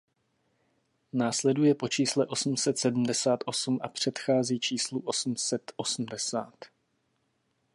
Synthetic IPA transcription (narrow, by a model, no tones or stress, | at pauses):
naːslɛdujɛpo̞t͡ʃiːslɛʔo̞sm̩sɛt̪sɛdm̩dɛsaːt̪ʔo̞sumʔa̰pr̝̥ɛt̪xaːziːt͡ʃiːsluʔo̞sm̩sɛt̪ʔo̞sm̩dɛsaːt̪